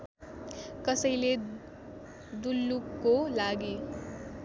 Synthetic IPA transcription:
kʌsʌjle | d̪ulːukːolaɡe

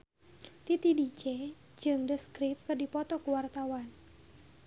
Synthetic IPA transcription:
t̪it̪idit͡ʃɛ | d͡ʒɨŋdəskɾip̚kɨrdipɔt̪ɔkuwart̪awan

